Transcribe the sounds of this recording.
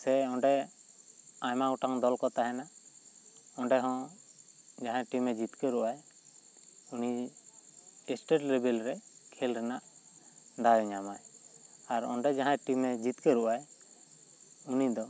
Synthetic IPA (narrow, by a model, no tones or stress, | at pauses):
sɛɔ̃ɳɖɛ | ajmaɡɔʈaŋd̪ɔlkɔt̪aɦɛna | ɔ̃ɳɖɛɦɔ̃ | d͡ʒaɦãʈimɛd͡ʒit̪kɛɾuʔaj | uni | ɛsʈeʈɾɛbɛlɾɛkʰɛlɾɛnaʔ | d̪ajɛɲamajaɾɔ̰ɳɖɛd͡ʒaɦãʈimɛd͡ʒit̪kɛɾuʔaj | unid̪ɔ